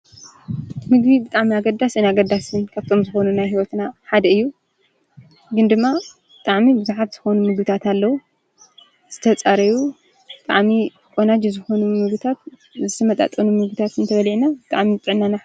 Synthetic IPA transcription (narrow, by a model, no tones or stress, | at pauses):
mɨɡβibɨt̪ʼaʕmiaɡɐd̪asɨnaɡɐd̪ːasɨnkʰaβt̪ʰo̞mzɨxo̞nunajɦiwot̪naħad̪ɐɨjːu | ɡɨnd̪ɨmːa | bɨt̪ʼaʕmibɨzuħat̪z̥ɨxo̞numɨɡbɨt̪ʰat̪alːɐwu | z̥ɨt̪ʰɐt͡sʼaɾɐju | bɨt̪ʼa̰ʕmi | kʼonad͡ʒizɨxo̞numɨɡit̪ʰat̪ | zɨt̪ʰɐmɐt̪ʼa̰t̪ʼɐnumɨɡbit̪ʰat̪ɨnt̪ʰɐβɐlʕinabɨt̪ʼa̰ʕmizɨt̪ʼɨʕnana